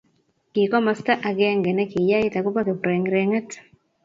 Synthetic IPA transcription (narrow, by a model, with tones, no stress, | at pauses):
ki˨kɔ˦ma˦sta˦ʔa˨ɡɛ˦ŋɡɛ˨nɛ˦ki˨ja˦i˦ta˨ku˦pa˦ke˨pɾɛ˨ŋɾɛ˨ŋɛ˦t